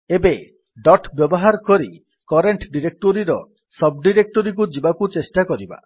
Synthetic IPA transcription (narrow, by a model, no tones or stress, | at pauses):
ebe | ɖɔʈbjɔbɔɦaɾɔkɔɾi | kɔɾeɳʈɖiɾek̚ʈoɾiɾɔ | sɔb̚ɖiɾek̚ʈoɾik̬ud͡ʒibakut͡ʃesʈakɔɾiba̰